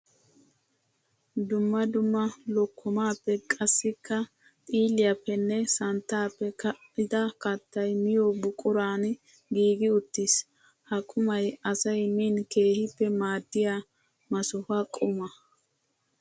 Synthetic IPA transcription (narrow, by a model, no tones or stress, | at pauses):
d̪ʊmːɐd̪ʊmːɐlɔkʰːɔmaːpːɛkʼɐsːɪkːɐ | t̪ʼiːlɪjɐpːɛnːɛsɐnt̪ːaːpːɛ | ɪd̪ɐkɐt̪ːɐjmɪjobʊkʼʊɾaːn | ɡiːɡɪʊt̪ːis | hɐkʼʊmɐjɐsɐjmiːnke̞ːhɪpːɛmaːd̪ːɪja | mɐsʊhɐkʼʊmɐ